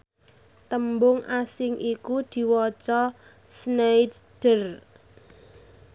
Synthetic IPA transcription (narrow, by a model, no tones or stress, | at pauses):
t̪əmbʊŋʔasɪŋʔikud̪̥i̤wɔt͡ʃɔ | snejtd̥ər